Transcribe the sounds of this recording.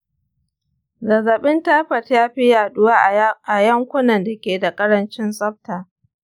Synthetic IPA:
zɐ˨zɐ˨ɓɪ˦ntaː˦ɸɐ˨tjaː˦ɸi˦jaː˨ɗʊ˦waː˦ʔa˨jɐ˦ŋkʷʊ˦nɐ˨nda˨kʲeː˨da˨kʼɐ˦ɽɐ˦nt͡ʃɪ˦nsʼɐ˦ɸ̚taː˨

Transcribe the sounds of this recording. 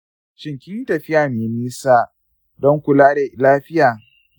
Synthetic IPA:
t͡ʃɪ˨ŋkʲɪ˦i˦tɐ˨ɸɪ˦jaː˨meː˨miː˦saː˦ | dɔ˦ŋkʷʊ˨laː˦da˨laː˦ɸɪ˦jaː˨

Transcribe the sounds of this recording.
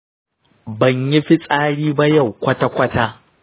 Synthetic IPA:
bɐ˨ɲji˦ɸi˦sʼaː˦ɽiː˦ba˦jɐ˨wkʷɐ˦ta˦kʷɐ˦taː˦

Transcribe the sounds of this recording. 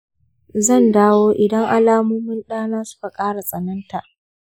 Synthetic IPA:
zɐ˦˨ndaː˦woː˦ʔɪ˨dɐ˦ŋʔa˦laː˦muː˦mɪ˦nɗaː˦naː˦sʊ̥˦ka˨kʼaː˦ɽa˨sʼɐ˨nɐ˦nta˨ʔ

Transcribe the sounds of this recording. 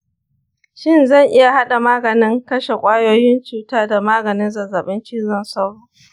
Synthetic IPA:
ʃɪ˦nzɐ˦˨ŋʔɪ˦ja˨ha˦ɗa˨maː˦ɡɐ˨nɪ˦ŋkɐ˦ʃe˨kʷʼaː˦joː˦jɪ˦nt͡ʃuː˨taː˦da˨maː˦ɡɐ˨nɪ˦nzɐ˨zaː˨ɓɪ˦ŋkʲɪ˦zɐ˦˨nsa˦wɽu˦

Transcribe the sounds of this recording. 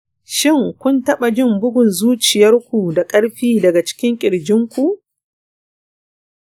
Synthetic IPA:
ʃɪ˦˨ŋkʷʊ˦ntɐ˦ɓa˨d͡ʒɪ˦mbʊ˦ɡʷʊ˨nzuː˦t͡ʃɪ˨jɐ˦rkʷu˨da˨kʼɐ˦ɽɸiː˦dɐ˨ɡa˨t͡ʃɪ̥˦kʲɪ˦ŋkʲʼɪ˨ɽd͡ʒɪ˦ŋkʷu˨ʔ

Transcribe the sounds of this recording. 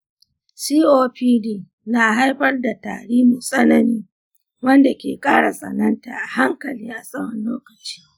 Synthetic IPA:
siː˦ʔoː˦ɸiː˦diː˦ | naː˨ɦa˦jɸɐ˦rda˨ta̰ː˨ɽiː˦mu˨sʼɐ˦nɐ˨niː˦ | wɐ˦nda˨kʲḛː˨kʼaː˦˨ɽa˨sʼɐ̰˨nɐ˦nta̰ː˨ʔa˨ha˦ŋkɐ˨liː˦ʔa˨sʼɐ˦mɐ˨nloː˦kɐ˨t͡ʃi̥ː˦

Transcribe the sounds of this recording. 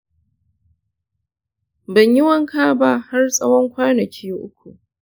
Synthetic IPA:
bɐ˨ɲjɪ˦wɐ˦ŋkaː˦ba˦˨ha˦rsʼɐ˦wɔ˦ŋkʷaː˦nɐ˨kʰʲiː˦ʔʊ˦kʷu˨ʔ

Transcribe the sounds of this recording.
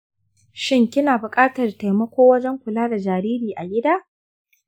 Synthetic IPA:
ʃɪ˦ŋkʲɪ˦naː˨bʊ˨kʼaː˦tɐ˨rta˨jmɐ˦kʷoː˦wɐ˦d͡ʒɛ˦ŋkʷʊ˨laː˦da˨d͡ʒaː˨ɾiː˦ɾiː˨ʔa˨ɡʲɪ˦daː˦

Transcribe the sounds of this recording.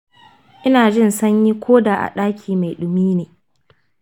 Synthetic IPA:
ʔɪ˦naː˨d͡ʒɪ˦˨nsɐ˦ɲji˦kʷʰoː˦daː˨ʔa̰˨ɗaː˦kʲʰiː˨ma˨jɗʊ˨miː˦neː˨

